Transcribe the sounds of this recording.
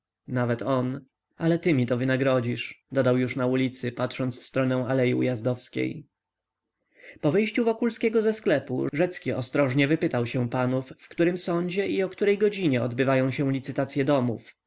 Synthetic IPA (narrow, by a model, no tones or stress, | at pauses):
navɛt̪ɔn | alɛt̪ɘmʲit̪ɔvɘnaɡɾɔd͡ʑiʂd̪ɔd̪awjuʂnaulʲit̪sɘpat̪ʂɔnt̪sfst̪ɾɔnɛw̃alɛjṵjazd̪ɔfskʲḛj | pɔvɘjɕt͡ɕuvɔkulskʲɛɡɔzɛsklɛpṵʐɛt̪skʲiɔst̪ɾɔʐɲɛvɘpɘt̪awɕɛ̃panufːkt̪uɾɘmsɔɲd͡ʑɛiɔkt̪uɾɛjɡɔd͡ʑiɲɛɔd̪bɘvajɔ̃w̃ɕɛw̃lʲit̪sɘt̪at̪sʲjɛd̪ɔmuf